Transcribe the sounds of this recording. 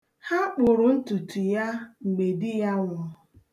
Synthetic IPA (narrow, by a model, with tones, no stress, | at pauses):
ha˦k͡pʊ˨ɾʊ˨n̩˦tu˨tu˨ja˦ŋ͡m̩˨ɡ͡be˨dɪ˦ja˦ŋɔ˦